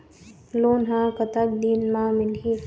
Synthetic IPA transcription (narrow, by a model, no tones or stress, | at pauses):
loːnɦãːkət̪əb̚d̪iːnmãmɪlɦi